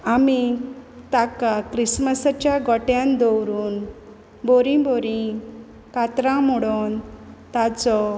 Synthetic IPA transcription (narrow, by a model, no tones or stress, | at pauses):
amit̪akakɾisməsət͡ɕjaɡɔʈjãnd̪ɔwɾuːn | boɾĩbɔɾĩ | kat̪ɾãmɔɽɔnt̪at͡sɔ